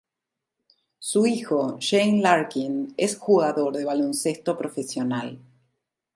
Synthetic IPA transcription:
suixo̞ʃejnlaɾkinesxuɣaðo̞ɾðeβalo̞nsest̪o̞pɾo̞fesjo̞nal

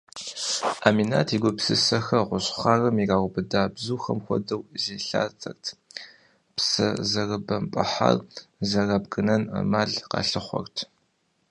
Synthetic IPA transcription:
aːmina̰ːtʰiːɡʷʊpsɨsɐxɐʁʷʊɕχaːrɐmiraːwʊbɨdaːbzuːxɐmxʷɔ̰dɐwzeːɬa̰ːt͡sʼɐrtʰ | psɐzɐrɐbɐmpʼɐħa̰rzɐrɐbɡɨnɐnɐ̰maːɮqɑ̰ːɬɨχʷɔ̰rtʰ

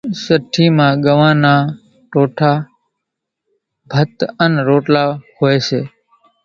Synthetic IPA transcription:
səʈʰːiːmãːɡəʋãːnaː | ʈoːʈʰaː | bʱət̪ənɾoːʈlaːhoːeʃeː

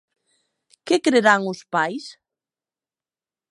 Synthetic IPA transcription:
kɪkɾeɾaŋʊspajs

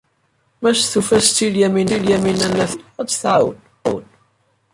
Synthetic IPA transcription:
mæsθufæst͡s̪ːiljæminiljæminænːæθæt͡sːθʕawə̰n | wən

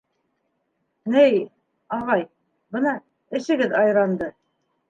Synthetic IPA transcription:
nɘj | ɑʁɑj | bɤnɑ | ɘ̆ʃɘ̆ɡɘðɑjɾɑnd̪ɤ

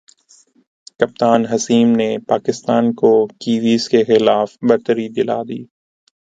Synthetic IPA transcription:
kɐp̚t̪aːnɦɐsiːmnepaːkɪst̪aːnkokiːʋiːskexɪlaːfbɐɾt̪əɾid̪ɪla̰ːd̪ḭː

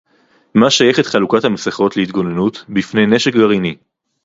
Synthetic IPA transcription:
maʃajeχet̪χalukathameseχo̞t̪leit̪ɡo̞nenutbifnejne̞ʃekɡaʁini

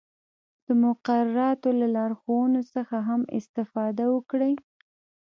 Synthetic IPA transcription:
d̪̥əmʊqaɾaɾɑt̪olalɑɾxowənosəxaɦamɪ̰st̪ɪfɑd̪awəkɽəj

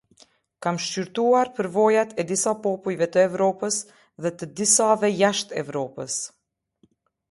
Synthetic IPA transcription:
kamʃt͡ʃyɾt̪uaɾpəɾvɔjat̪ɛd̪isapɔpujvɛt̪əɛvɾɔpəs | ðɛt̪əd̪isavɛjaʃt̪ɛ̰vɾɔpəs

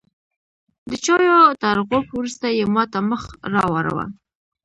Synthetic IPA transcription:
d̪ət͡ʃɑjot̪aɾɣopwɾust̪ajemɑt̪aməxɾɑwaɾa̰wa̰

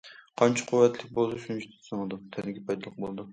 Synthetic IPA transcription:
qʰɑnt͡ʃʰɑ̥qʰʊwːɛt̪lɪk̚ʲbolˠd̪ʃynt͡ʃt̪ʰɪ̥sɑŋɨd̪ɨmt̪ʰɛnɪɡʲɛpʰɑjd̪ɑlˠəq̚bolˠd̪u

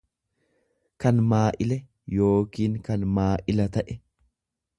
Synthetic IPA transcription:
kɐnmaːʔɪlɛ | jo̞ːkiːŋkɐnmaːʔɪlɐt̪ɐʔɛ

